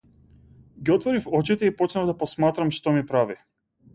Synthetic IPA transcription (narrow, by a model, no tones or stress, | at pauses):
ɡiɔt̪vɔɾifɔt͡ʃit̪ɛipɔt͡ʃnavd̪apɔsmat̪ɾamʃt̪ɔmipɾavi